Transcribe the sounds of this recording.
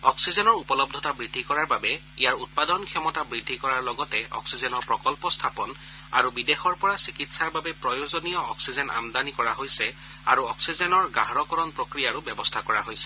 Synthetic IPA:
ɔksizɔnɔɹupɔlɔbdʱɔtabɹidʱːikɔɹaɹbabɛ | ijaɹut̚padɔnkʰjɔmɔtabɹidʱːikɔɹaɹlɔɡɔtɛɔ̰ksizɔnɔɹpɹɔkɔlpɔstʰapɔn | a̰ɹubidexɔɹpɔɹasikitsaɹbabɛpɹɔjozonijɔːksizɛnʔa̰md̪anikɔɹaɦojsɛ | a̰ɹuɔksizɛnɔɹɡaɦɔɹɔkɔɹɔnpɹokɹijaɹubɛbɔstʰakɔɹa̰ɦojsɛ̥

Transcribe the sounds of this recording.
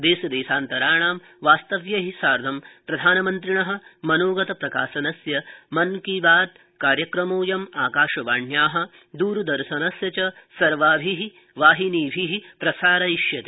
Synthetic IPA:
d̪eːsɐd̪eːsaːnt̪ɐɾaːɳaːm | ʋaːst̪ɐʋjɐɦisaːɾd̪ʱɐmpɾɐd̪ʱaːnɐmɐnt̪ɾiɳɐɦɐ̆mɐnoːɡɐt̪ɐpɾɐkaːsɐnɐsjɐmɐnkibaːt̪̚ | kaːɾjɐkɾɐmoːjɐmaːkaːʃɐʋaːɳjaːɦɐ̆ | d̪uːɾud̪ɐɾʃɐnɐsjɐt͡ʃɐsɐɾʋaːbʱiɦi | ʋaːɦiniːbʱiɦipɾɐsaːɾɐiʃjɐt̪i

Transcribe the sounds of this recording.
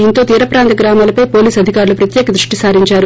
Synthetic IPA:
int̪o̞ːt̪iːɾɐpɾaːnt̪ɐɡɾaːmaːlɐpɐjpo̞ːliːsɐd̪ʱikaːɾulupɾɐt̪jɛːkɐd̪ɾuʂʈisaːɾiɲt͡ʃaːɾu

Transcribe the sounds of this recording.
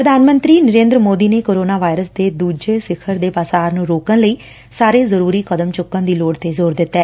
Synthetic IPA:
pɾəd̪ʱaːnmə̃nt̪ɾiːnəɾẽːnd̪ɾəmoːd̪iːneːkoːɾoːnaːʋaːɪɾəsd̪eːd̪uːd͡ʒeːsɪkʰəɾd̪eːpaːsaːɾnũːɾoːkənləiː | saːɾeːzəɾuːɾiːkəd̪əmt͡ʃʊkːə̃nd̪iːloːɽt̪eːzoːɾd̪ɪt̪ːɛː

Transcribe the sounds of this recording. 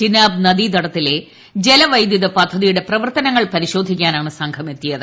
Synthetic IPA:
t͡ɕinaːb̚nɐðid̪ɐɽɐt̪ːile̞ | d͡ʑe̞lɐʋɐjd̪jɐðɐpɐd̪ʱːɐðijuɽe̞prɐʋɐrt̪ɐnɐŋːɐɭpɐɾiɕo̞ːd̪ʱikʲːaːnaːɳɨsɐŋɡʰʱɐme̞t̪ːijɐðɨ

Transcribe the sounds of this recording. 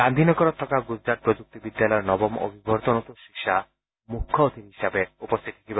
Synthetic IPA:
ɾand̪ʱinɔkɔɾɔt̪ʰːɔkaɡud͡ʒɾat̪̚pɾod͡ʒuk̚t̪ibid̪ːalɔeɾnɔbɔmo̰bʱibʱɔɾt̪ɔnɔt̪oʃikʃa | mukʰːɔot̪iɾɦiʃabeupost̪ʰit̪ikiba

